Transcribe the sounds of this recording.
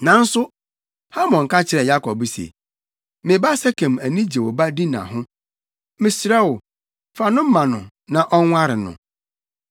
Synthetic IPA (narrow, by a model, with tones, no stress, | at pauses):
nã˨n̩˦sʊ˦ | ha˦mɔ̃˨ŋ̩˨ka˦t͡ɕʰɪ˨ɾɛ˨ja˦kʰɔ˨bsḛ˨ | mɪ̃˨ba˦sɛ˦kʰɛ̃˨mæ˨nĩ˦d͡ʑe˨wɔ˨ba˦di˦nã̰˨ɦʊ̃˦ | mɪ̃˨sɪ˨ɾɛ˦wʊ˨ | fa˨nʊ̃˦m̩˦mã˨nʊ̃˨ | nã˨ʔɔ˦ŋʷ˦a˦ɾɪ˨nʊ̰̃˨